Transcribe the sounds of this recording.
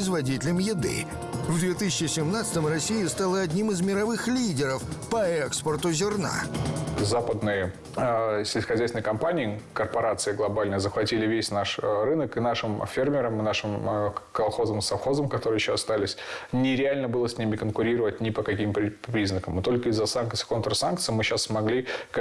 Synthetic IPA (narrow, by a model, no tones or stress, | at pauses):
ɪzvɐdʲitʲɪlʲɪmjɪd̪ɨ̰ | vd̪vʲet̪ɨsʲɪt͡ɕːɪsʲɪmnat̪sɨ̥t̪əmrɐsʲːijɪst̪alˠəɐdʲnʲimɨzmʲɪɾɐvɨxlʲidʲɪɾəfpəɛkspərt̪ʊzʲɪrna̰zapəd̪nɨjə | sʲɪlʲxɐzʲɛjsʲɪnəjkɐmpanʲɪːkərpɐɾat̪sɨɪɡlˠɐbalʲnəəzəxvɐtʲilʲɪvʲesʲnaʂrɨnəkɨnaʂɨmfʲermʲɪɾəmɨnaʂɨmkɐlˠxo̞zəmsɐfxo̞zəmkɐt̪o̞ɾɨjɪɕːoɐst̪alʲɪsʲnʲɪɾʲɪalʲnəbɨlˠəsʲnʲimʲɪkənkʊɾʲiɾəvət̚ʲnʲɪpəkɐkʲimpɾʲpɾʲiznəkəmɨt̪o̞lʲkəɪzːəsankt̪sɨɪ̥ko̞nt̪ɾəsankt̪sɨjmɨɕasmɐɡlʲi